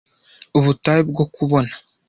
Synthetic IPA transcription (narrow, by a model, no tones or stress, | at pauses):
uβutajib̚ɡokuβo̞nḁ